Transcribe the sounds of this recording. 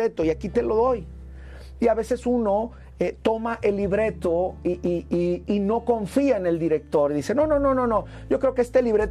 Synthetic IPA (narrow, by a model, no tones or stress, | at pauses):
et̪o̞iakit̪e̞lo̞ðo̞j | iaβe̞se̞suno̞ | et̪o̞maʔe̞lːiβɾe̞t̪o̞iʔiiːno̞ko̞ɱfiaene̞ld̪iɾek̚t̪o̞ɾiðise̞no̞no̞no̞no̞no̞ | ɟ͡ʝo̞kɾe̞o̞keest̪e̞liβɾe̞t̪